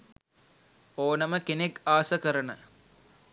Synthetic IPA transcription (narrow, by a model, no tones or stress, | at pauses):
oːnɐməkenekaːsəkəɾənə